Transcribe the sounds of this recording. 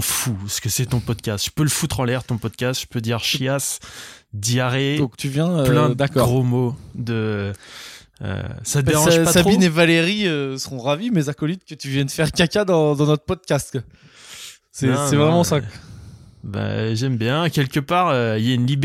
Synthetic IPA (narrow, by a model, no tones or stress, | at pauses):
fuɛsə̥kəsɛt̪ɔ̃pɔd̪kʲast̪ʒə̥pøləfut̪χɑ̃lɛʁt̪ɔ̃pɔd̪kʲast̪ʒ̥ə̥pød̪iʁʃjas | d̪iaʁed̪ɔ̃kt̪yvjɛ̃øpllɛ̃d̪d̪akɔʁʁomod̪ə | ø̰sat̪əeʁɑ̃ʒpasainevaleʁiøsəʁɔ̃ʁavimezakɔlit̪̚kət̪yvjɛnd̪əfɛʁkʲakʲad̪ɑ̃d̪ɑ̃nɔt̪χəpɔd̪̚kʲast̪ | sɛsɛvʁɛmɑ̃sa | ba̰ʒɛmbjɛ̃kʲɛlkʲəpaʁøiljaynlib